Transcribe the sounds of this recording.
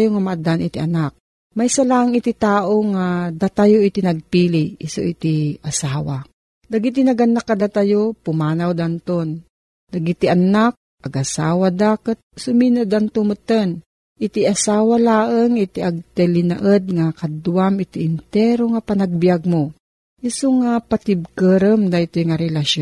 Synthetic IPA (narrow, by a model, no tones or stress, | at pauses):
joŋamaʔad̪anʔit̪iʔanak̚ | majsalaʔŋit̪it̪aːʔoŋad̪at̪ajoʔit̪inɐɡ̚piːliɪsoʔit̪iʔasaːwa | laɡit̪inɐɡanːakːad̪at̪ajopʊmaːnawd̪ant̪on | laɡit̪iʔanak̚ | ʔɐɡʔasaːwad̪aːkət̪̚sʊminod̪ant̪ʊmɨt̪ən | ʔɪt̪iʔasaːwalaːʔəŋɪt̪iʔaɡ̚t̪ɛlɪna̰ʔəd̪ŋakad̪uwamɪt̪iɪnt̪ɛɾoŋapanaɡ̚bijaɡ̚mo | ʔɪsoŋapat̪ɪb̚kəɾəmd̪aʔɪt̪ojŋaɾɛlaʃo